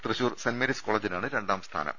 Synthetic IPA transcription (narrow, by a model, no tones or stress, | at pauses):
t̪rɨɕuːrsɐnmeɾiskoːɭed͡ʑinaːɳɨɾe̞ɳɖaːmst̪ʰa̰ːnɐ̰m